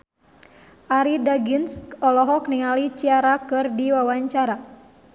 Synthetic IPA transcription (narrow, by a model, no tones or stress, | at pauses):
ʔaɾidaɡinskɔlɔɦɔkniŋalit͡ʃiaɾakɨrdiwawaɲt͡ʃaɾa